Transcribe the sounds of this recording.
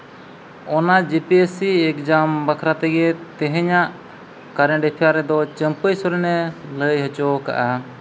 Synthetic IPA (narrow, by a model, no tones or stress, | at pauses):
ɔnad͡ʒipiesiɛkd͡ʒambakʰɾat̪ɛɡɛt̪ɛɦɛɲaʔ | kaɾɛ̃ɖɛpʰijaɾɛd̪ɔt͡ʃəmpəjsɔɾɛnɛləjɦɔt͡ʃɔka̰ʔa